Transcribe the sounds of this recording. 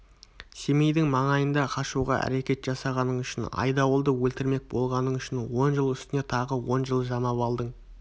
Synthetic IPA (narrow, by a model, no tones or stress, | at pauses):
semejd̪ɪŋmɑɴɑjənd̪ɑqʰɑʃuʁɑ̰æ̰ɾe̞kʲe̞t̪ʒ̥ɑsɑʁɑnəɴʏʃɪnɑ̰jd̪ɑwəlˠd̪əwɵlt̪ɪɾme̞k̚bo̞lˠʁɑnəɴʏʃɪnwo̞nʒəlˠʏst̪ɪne̞t̪ʰɑʁəwo̞nʒəlˠʒɑmɑpɑlˠd̪əɴ